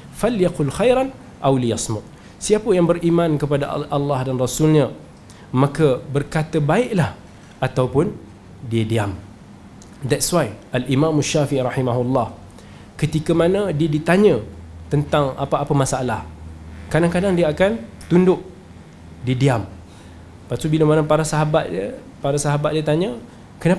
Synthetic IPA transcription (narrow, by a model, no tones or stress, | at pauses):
faljaqʊlxajɾan | ʔawlijasmʊʔ̚ | siapəjaŋbərimãnkəpadaʔalːɑhdanrasulɲə̃ | mãkəbərkat̪əbaɪʔlah | at̪awpʊn | diədiam | d̪ɛtswajalʔimãmaʃːafiʔiɾɑħimaɦulːɑh | kət̪ikəmanə̃diədit̪aɲə̃t̪ənt̪aŋa̰paːpəmasaalahkadaŋkadaŋdiəakant̪undʊʔ | diədiam | pat̪ubiləmanə̃paɾasaɦabat̪̚diə | paɾasaɦabat̪̚diət̪aɲə̃ | kəna